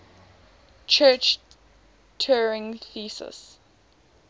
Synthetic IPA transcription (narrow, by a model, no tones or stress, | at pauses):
t͡ʃʰɜːˑt͡ʃ | tʰɜːɹɪ̃ŋθiːsə̰s